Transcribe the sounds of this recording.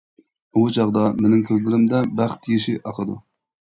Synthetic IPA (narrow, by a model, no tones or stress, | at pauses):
ut͡ʃʰɑʁd̪ɑmenɪŋkʲʰøzlɪɾɪmd̪ɛbæχt̪ʰijiʃiʔɑqʰəd̪u